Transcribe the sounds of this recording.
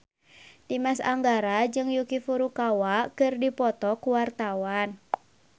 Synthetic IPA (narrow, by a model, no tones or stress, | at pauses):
dimasa̰ŋɡaɾad͡ʒɨŋjukifuɾukawakɨrdipɔt̪ɔkuwart̪awan